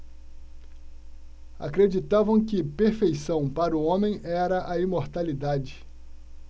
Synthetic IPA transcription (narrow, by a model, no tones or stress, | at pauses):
a̰kɾed͡ʒit̪avɐ̃w̃kɪpeɾfejsɐ̃w̃paɾʊõmẽj̃ɛɾɐʔɐimoɾt̪alid̪ad͡ʒɪ